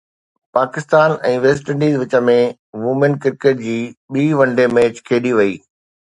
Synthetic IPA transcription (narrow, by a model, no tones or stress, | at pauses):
paːkɪst̪aːnɛ̃ːʋeːsʈə̃ɳɖiːzʋɪt͡ɕə̆mẽ | ʋuːmənkɪɾkeːʈ̚d͡ʑiːɓiːʋɐ̃ɳɖemeːt͡ɕkʰeːɗiʋɐiː